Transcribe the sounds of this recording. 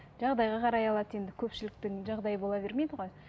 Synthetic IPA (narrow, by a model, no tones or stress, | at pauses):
ʒɑʁd̪ɑjʁɑqʰɑɾɑjɑlˠɑt̪je̞nd̪ɪkʲʰɵpʃɪlɪk̚t̪ɪŋʒɑʁd̪ɑjəbo̞lˠɑbe̞ɾme̞jd̪ɪʁoj